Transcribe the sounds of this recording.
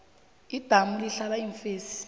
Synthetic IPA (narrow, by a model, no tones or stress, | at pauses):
id̥ʱamuliɬalaiɱfeːsi̥